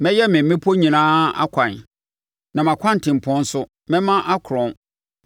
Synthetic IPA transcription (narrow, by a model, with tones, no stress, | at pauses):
mɛ̃˦jɛ˦mɪ̃˨m̩˦mɪ̃˦pʰo˦ɲĩ˨nãː˦a̰˦kʷʰã˨n˨ | nã˨m˨ã˨kʷʰã˦n̩˨tʰɪ̃˨m̩˨pʰɔ̃˦n˦sʊ˦ | mɛ̃˦mã˦ʔa˦kʰɾɔ̃˨n